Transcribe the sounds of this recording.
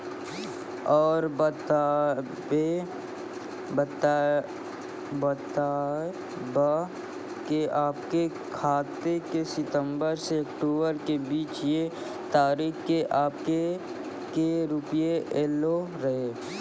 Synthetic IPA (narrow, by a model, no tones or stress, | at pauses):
ɔːɾbt̪ː | e | bət̪a | ba | keʔaːpke | kʰaːt̪ekesɪt̪ə̃mbəɾseɐkʈoːbəɾkebiːt͡ʃje | t̪aːɾiːxkeʔaːpke | keɾʊpjeʔeːloɾɐɦeː